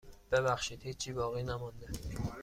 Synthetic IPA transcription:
b̥ebæxʃiːd̪̥hiːt͡ʃʰːiːbɒːɣiːnæmɒnd̪e

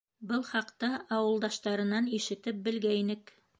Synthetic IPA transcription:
bɤlˠχɑqt̪ɑɑwɤ̆lˠd̪ɑʃt̪ɑɾɤ̆nɑniʃɘ̆t̪ɘp̚bɘ̆lɡæinɘk

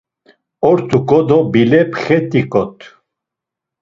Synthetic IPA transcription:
ɔɾt̪ʰukʼɔd̪ɔbilɛpʰχɛt̪ʼikʼɔt̪ʰʼ

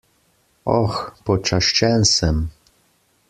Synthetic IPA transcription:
ɔxpɔt͡ʃaʃt͡ʃɛnsɛm

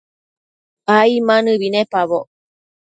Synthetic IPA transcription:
aimanɯβinepaβo

